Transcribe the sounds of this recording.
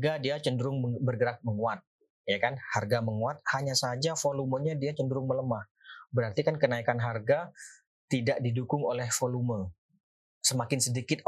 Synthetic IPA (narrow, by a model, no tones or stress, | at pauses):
ɡadiat͡ʃəndəɾʊŋbərɡəɾak̚məŋuat̪̚ | jakanharɡaməŋuat̪̚haɲasad͡ʒafoluməɲadiat͡ʃəndəɾʊŋmələmah | bəɾart̪ikankənaikanɦarɡa | t̪idaʔdidukʊŋolɛhfolumə | səmakɪnsədikɪt̪̚